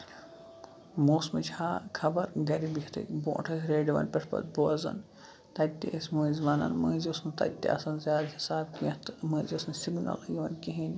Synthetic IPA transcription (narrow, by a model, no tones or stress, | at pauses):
moːsmɨt͡ʃʰaːkʰɐbɐɾɡɐɾibihʰʲt̪ʰɨ̰kbõ̰ːʈʰɐsʲɾeːɖiʋɐ̰npʲeʈʰpɐ̰t̪̚boɐzɐ̰n | t̪ɐt̪ːeɐsmuːzʲʋaːnɐ̰nməːzosnt̪ɐ̰t̪ːḭʔɐ̰sɐnzʲaːd̪hisaːbkit̪məːzʲosnsiɡunɐ̰lɐɡiʋɐnkiɦinʲ